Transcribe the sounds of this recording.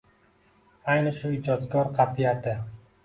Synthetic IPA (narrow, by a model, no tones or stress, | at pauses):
ajnɪʃʊɪd͡ʒɒt̪kʰʲɒɾqʰɑt̪ʰijat̪ʰɪ